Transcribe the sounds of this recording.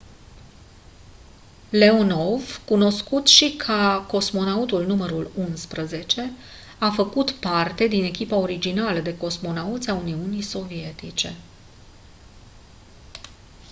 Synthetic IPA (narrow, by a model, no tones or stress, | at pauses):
le̞ono̞vkuno̞skut̪ʃikʰəko̞smo̞naut̪ulnuməɾulunspɾəze̞t͡ʃe̞ | afəkut̪part̪e̞d̪ine̞kʲipao̞ɾid͡ʒinaləd̪e̞ko̞smo̞naut̪sʲauniunijso̞vie̞t̪it͡ʃe̞